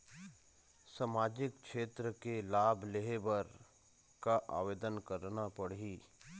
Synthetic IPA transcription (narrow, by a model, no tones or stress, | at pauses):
saːmaːd͡ʒɪkʃeːt̪ɾəkelaːbʱleɦebəɾ | kaʔa̰ːʋeːd̪ənkəɾnapɐɽ̤iː